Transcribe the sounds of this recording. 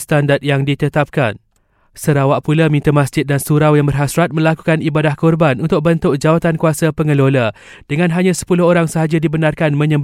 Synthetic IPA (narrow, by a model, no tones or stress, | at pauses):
st̪andat̪̚jaŋdit̪ət̪ap̚kan | səɾawaʔpulamĩnt̪amãsd͡ʒɪt̪̚dansuɾawjaŋbərɦasɾat̪̚mə̃laku̥kanibadahkɔrbanunt̪ʊk̚bənt̪ʊk̚d͡ʒawat̪ankuasapəŋə̃lola | d̥əŋãnɦaɲãsə̥pulʊhoɾaŋsəɦad͡ʒadibənarkanmə̃ɲə̃mb